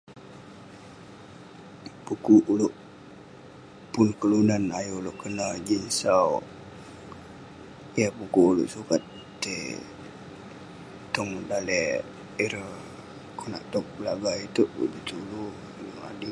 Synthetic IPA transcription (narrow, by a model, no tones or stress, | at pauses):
pukuʔuloʔ | pʊnkəlunanajoloʔkənad͡ʒinsaw | japukuʔulo̰ʔsukat̪̚ | t̪e | t̪ɔŋdalɛ | iɾə | kʰona̰ʔt̪ɔk̚bəlaɡait̪uʔbṵʔdit̪ulu | naŋa̰di